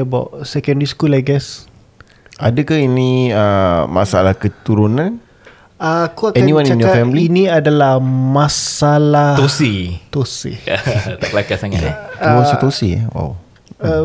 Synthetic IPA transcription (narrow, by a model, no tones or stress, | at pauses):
əbawʔsɛkɛ̃ndiskulajɡɛs | adəkainĩəma̰salahkət̪uɾunãn | akuakɛaniwãnianjɔafɛmliinĩadalahmasalaosit̪osḭt̪aklakasaŋa̰uwasat̪osiɛ̰wa̰w